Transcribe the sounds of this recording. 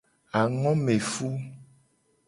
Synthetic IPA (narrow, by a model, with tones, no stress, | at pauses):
a˨ŋɔ̃˦me˨fu˦